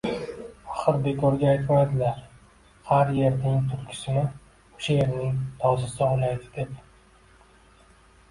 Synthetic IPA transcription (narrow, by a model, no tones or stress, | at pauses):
aχɨɾbe̞kʲʰɒɾɡʲaːjt̪mad̪ɪlaɾ | haɾje̞ɾnɪŋt̪ʰʊɾkʲʰɪ̥sɪnɪ | ʊ̥ʃaje̞ɾnɪŋt̪ʰɒzɪsɪolajd̪ɪd̪ep